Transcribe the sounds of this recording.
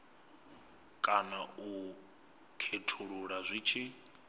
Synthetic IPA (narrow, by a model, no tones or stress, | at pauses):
kʼanau | kʰetʰuɺuɺazʷiːt͡ʃʰi